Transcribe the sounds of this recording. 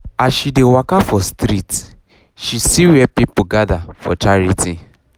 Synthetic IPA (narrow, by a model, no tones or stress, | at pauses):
asʃidewakafɔstɾit | ʃisiwɛpipuɡadafɔ̰t͡ʃaɾiti